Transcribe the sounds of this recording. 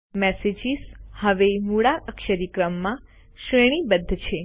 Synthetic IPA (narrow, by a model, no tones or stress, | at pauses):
mɛsed͡ʒizhəʋemuɽaʔəkʃəɾikɾəmːã | ʃɾeɽ̃ibəd̪ʱːət͡ʃʰe